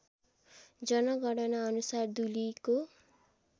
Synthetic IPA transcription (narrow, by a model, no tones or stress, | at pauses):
d͡zʌnʌɡʱʌɽʌnaʌnusard̪uliko